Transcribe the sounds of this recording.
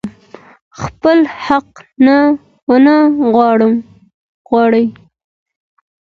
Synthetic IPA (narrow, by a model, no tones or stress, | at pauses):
xpəlhaqna | wnaɣwɑɽəm | ɣwɑɽəj